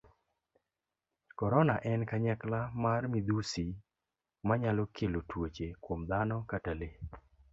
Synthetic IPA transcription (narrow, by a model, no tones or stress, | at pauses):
kɔɾɔnaʔɛnkaɲaklamarmid̪usi | maɲalɔkʰelotwot͡ʃekwomd̪anɔkatale